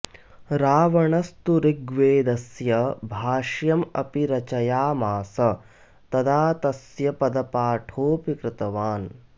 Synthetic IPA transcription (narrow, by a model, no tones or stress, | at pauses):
ɾaːʋɐɳɐst̪uɾiɡʋeːd̪ɐsjɐbʱaːʂjɐmɐ̰piɾɐt͡ʃɐjaːmaːsɐ | t̪ɐd̪aːt̪ɐsjɐpɐd̪ɐpaːʈʰoːpikɾɪt̪ɐʋaːn